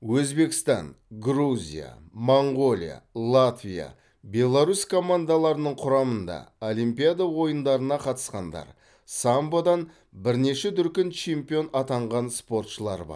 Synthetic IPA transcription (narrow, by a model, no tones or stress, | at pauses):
wɵzbe̞kɪ̥st̪ɑ̰nɡruzʲḭja̰moɴɡo̞lʲḭja̰lˠat̪vʲija̰ | bʲe̞lˠaɾuskʰo̞mand̪alˠɑɾənəɴqʰʊɾɑmənd̪ɑ̰olˠimpijad̪awo̞jənd̪ɑɾənɑqʰɑt̪ə̥sqɑnd̪ɑ̰ɾ | sambod̪ɑn | bɪɾne̞ʃɪt̪ʏɾkʲɪnt͡ʃʰe̞mpʲijo̞nɑt̪ɑɴʁɑnspo̞ɾt̪ʃəlˠɑɾbɑ̰ɾ